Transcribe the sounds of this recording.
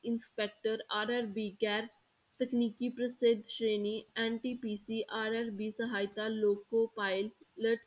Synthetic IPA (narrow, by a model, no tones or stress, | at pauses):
ɪ̃nspek̚ʈəɾaːɾɛɾbiɡɛːɾ | t̪ekniːkipɾəsed̪ʱʃɾeːniɛ̃ɳʈipiːsiʔaːɾɛɾbisəɦaːjt̪aloːkopaːɪlləʈ